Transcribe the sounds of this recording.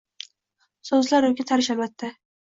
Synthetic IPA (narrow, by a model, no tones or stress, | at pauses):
sɵzlaɾɵkʲɪt̪ʰaɾɪʃalvat̪ːɪ